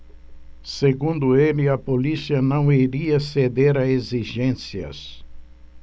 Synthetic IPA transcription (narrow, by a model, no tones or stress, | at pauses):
seɡũnd̪ʊelɪɐpolisiɐnɐ̃w̃iɾiɐsed̪eɾɐeziʒẽsiɐ̰s